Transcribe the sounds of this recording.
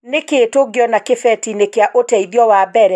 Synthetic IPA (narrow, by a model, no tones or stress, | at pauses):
nekeːtoɡeɔnakefɛtinekeaʔotɛiðjɔwabɛɾɛ